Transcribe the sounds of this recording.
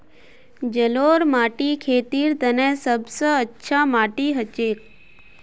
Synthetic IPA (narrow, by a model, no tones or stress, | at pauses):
d͡ʒəloːɾmaːʈikʰeːt̪iːɾt̪ənesəbsəətːʃʰamaːʈiːɦət͡ʃeːk̚